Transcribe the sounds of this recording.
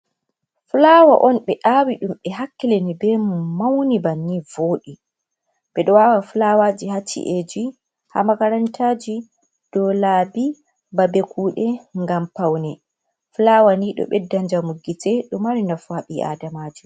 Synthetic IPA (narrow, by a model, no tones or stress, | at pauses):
fulawa̰ʔɔnɓɛʔawiɗumɓɛɦakːilenibɛmumawnibanːivoːɗi | ɓɛɗɔwawafulawad͡ʒiɦat͡ʃːḭʔed͡ʒi | ha̰makaɾantʰaːd͡ʒi | d̥ɔlaːbi | babekʰuːɗɛŋɡampawnɛ | fulawaniɗɔ̰ɓɛdːaɲd͡ʒamuɡitʰɛɗɔmaɾinafaɓiʔa̰damad͡ʒi